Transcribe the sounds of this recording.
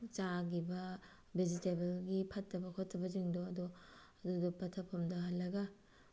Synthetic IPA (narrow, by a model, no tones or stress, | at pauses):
t͡ʃaɡibɐ | bed͡ʒitebɐlɡipʰɐtːɐbɐkʰotʰːɐbɐziŋdoɐduɐdudupɐtʰɐpʰɐmdɐɦɐtlɐɡɐ